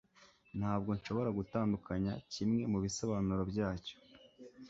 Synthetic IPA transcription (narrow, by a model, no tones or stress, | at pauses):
n̥haːb̚ɡo̞ɲʃo̞βo̞ɾaɡutaːndukaɲacimŋe̞muβisoβanuɾobɟaːco̥